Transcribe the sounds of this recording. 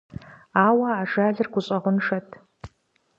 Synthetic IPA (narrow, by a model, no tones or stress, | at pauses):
aːwɐaːʒaːɮɨrɡʷʊɕʼɐʁʷʊnʂɐtʰ